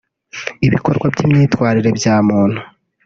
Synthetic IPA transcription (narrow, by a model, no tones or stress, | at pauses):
iβikoɾɡwabjimɲiːtwaːɾiɾe̞bjaːmuːn̥hu